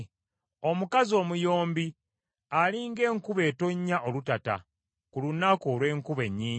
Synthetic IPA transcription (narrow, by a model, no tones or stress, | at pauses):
o̞mukazo̞ːmujo̞ːmbi | aliŋɡe̞ːŋkuβe̞ːto̞ɲːaʔo̞lutata̰ | kulunako̞ːlwe̞ːŋkuβe̞ɲːiː